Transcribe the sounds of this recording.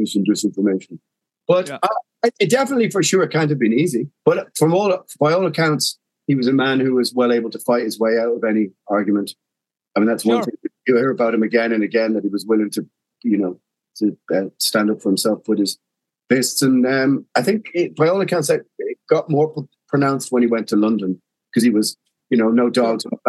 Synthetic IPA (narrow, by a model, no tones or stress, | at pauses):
ʉzɨ̃n̩dʉsɪ̃ɱfə˞meɪʃə̃n̩ | b̥ʌɾa | aɪɪt̚d̥ɛfənətˡlifə˞ʃʊːɹɨt̚kʰãɪ̃ndɨvbɨ̃nizib̥ʌɾfɹʌ̃mɔːlˠb̥aɪɔːlˠəkʰãʊ̃nts | hiwʌzɨmæ̃nhʉwʌzwɛlˠeɪbəl̩ˠtʰəfaɪt̚hɨzweɪaʊt̚ʌvɛñiɑɹɡjɨmə̃nt | aɪmĩnðatswʌ̃nθɪ̃ŋɨ̥ɨhiɹəbaʊɾ̚hɨ̃mɨɡɛ̃nɨ̃nɨɡɛ̃nðət̚hiwʌzwɪlˠɪ̃ŋtʰɨ | jɨnoʊ | tʰɨʌstæ̃ndʌpfə˞hɨ̃msɛlˠfwɨðɨz̥ | b̥ɪstsə̃nʌ̃maɪθɪ̃ŋkɪb̥aɪɔːlˠəkʰãʊ̃nsaɪt̚ɪɡ̥ɑʔ̚mɔɹpʰɹ̥ənãʊ̃nst̚wə̃ñiwɛ̃ntʰəlʌ̃ndə̃n | kʰʌz̥iwʌz | jɨnoʊnoʊdɔɡzəə